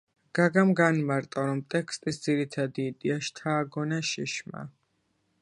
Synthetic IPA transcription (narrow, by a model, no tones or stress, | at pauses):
ɡ̥aɡamɡanmaɾt̪ʼɔɾɔmt̪ʼɛkʰst̪ʼisd̪z̥iɾit̪ʰad̪iːd̪ʼiaʃt̪ʰaːɡɔnaʃiʃma̰